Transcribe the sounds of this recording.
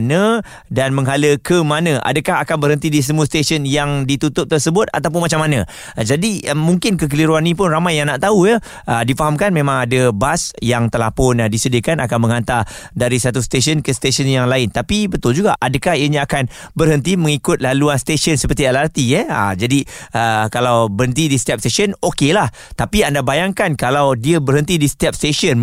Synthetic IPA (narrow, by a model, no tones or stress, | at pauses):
nə̃ | danmə̃ŋɦaləkəmanə̃ʔa̰dəkaɦakanbərɦənt̪̬idiis̬əmuəst̪esənjaŋdit̪ut̪ʊp̚t̪ərsəbʊt̪̚a̰t̪awp̬ʊnmat͡ʃamːanã | d͡ʒadiəmuŋkɪnkək̬əliɾuanĩp̬ʊnramajːaŋnaʔt̪aujə | ədifaɦamkanmẽmãŋadəbasjaŋt̪əlahpʊndisədəkanakanmə̃ŋant̪a | daɾisat̪̬ust̪es̬ənkəst̪esənjaŋlaɪnt̪apibət̪ʊld͡ʒuɡaʔadəkahiəɲãakanbərɦənt̪imə̃ŋikʊt̪̚laluanst̪esənsəpərt̪ialart̪ijəə̰d͡ʒadiəkalawbəɾɦənt̪̬idist̪ɛp̚st̪eʃənokelah | t̪apiandabajaŋkankalawdiəbərɦənt̪idist̪ap̚st̪esən